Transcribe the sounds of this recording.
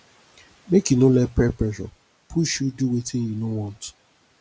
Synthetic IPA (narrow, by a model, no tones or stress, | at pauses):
mekjunolɛpɛpɹɛʃɔ̰ | pʰuʃjuduwetɪ̃njunõwɔ̃nt